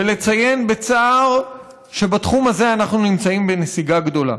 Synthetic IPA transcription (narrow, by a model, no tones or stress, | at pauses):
ele̞t͡saje̞nbe̞t͡saːʁ | ʃe̞bat̪χumaze̞anaχnunimt͡saimbenesiɡaɡdo̞la̰